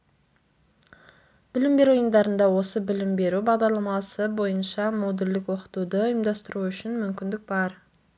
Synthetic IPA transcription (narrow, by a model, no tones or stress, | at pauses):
b̥ɪlɪmbe̞ɾujəmd̪ɑɾənd̪ɑwo̞səbɪlɪmbe̞ɾubɑʁd̪ɑɾlˠɑmɑsəbo̞jənʃɑmo̞d̪eld̪ɪkwo̞qə̥t̪ud̪əʊjəmd̪ɑst̪əɾuʏʃɪnmʏmkʲɪnd̪ɪk̚bɑɾ